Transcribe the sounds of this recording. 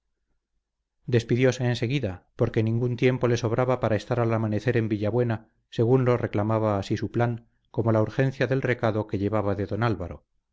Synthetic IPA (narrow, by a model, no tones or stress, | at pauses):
d̪e̞spiðjo̞se̞ːnse̞ɣ̞iðapo̞ɾke̞nĩŋɡunt̪je̞mpo̞le̞so̞β̞ɾʔaβapaɾae̞st̪aɾalamane̞θe̞ɾe̞mbiʎaβwe̞na | se̞ɣ̞unlo̞re̞klamaβ̞aːsisuplaŋ | ko̞mo̞lauɾxe̞nθjaðe̞lre̞kaðo̞ke̞ʎe̞β̞aβaðe̞ðo̞nalβaɾo̞̰